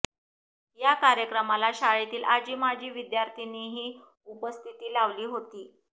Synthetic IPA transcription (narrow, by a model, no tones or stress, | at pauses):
jakaɾjəkɾəmalaɕaɭit̪iːlʔad͡ʑʱiːmad͡ʑʱiːʋid̪jaɾt̪ʰineɦiː | upəst̪ʰit̪iːlaʋliːɦot̪iː